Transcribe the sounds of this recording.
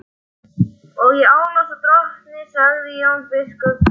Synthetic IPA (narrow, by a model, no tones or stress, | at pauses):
ɔɣjɛaːwnat̪at̪ɾɔht̪nɪsaɣðɪjownpɪskʏ